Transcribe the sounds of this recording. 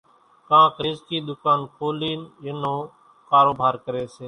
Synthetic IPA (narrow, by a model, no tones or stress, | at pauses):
kãːkɾɪːzkiːd̪ʊkaːnkʰoːliːnɪnõː | kaːɾoːbʱaːɾkəɾeːseː